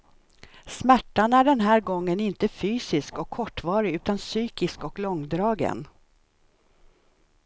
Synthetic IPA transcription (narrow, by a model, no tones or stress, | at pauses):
smæʈːanæɖɛnɦæːɾɡɔŋːənɪnt̪əfyːsɪskɔkʰːɔʈːvɑːɾɪʉ̟ːt̪ansyːkɪskɔklɔŋd̪ɾɑːɡə̰n